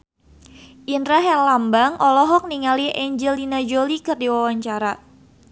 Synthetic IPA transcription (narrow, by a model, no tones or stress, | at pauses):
ʔinɾaɦɛlambaŋʔɔlɔɦɔk̚niŋaliʔɛɲd͡ʒəlinad͡ʒolikərdiwawaɲt͡ʃaɾa